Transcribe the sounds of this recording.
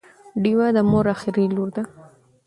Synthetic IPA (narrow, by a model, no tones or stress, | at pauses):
ɖiwad̪əmoɾaxɪɾiluɾd̪a